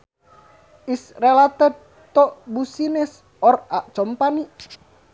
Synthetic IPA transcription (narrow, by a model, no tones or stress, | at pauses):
ʔisrelat̪əd̚ | t̪ɔʔbusinɛs | ɔraʔt͡ʃɔmpaniʔ